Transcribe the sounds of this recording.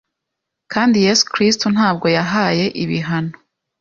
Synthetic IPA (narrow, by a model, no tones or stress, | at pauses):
kaːndije̞ːsu̥kɾistun̥haːb̚ɡo̞jaɦaːje̞ʔiβiɦano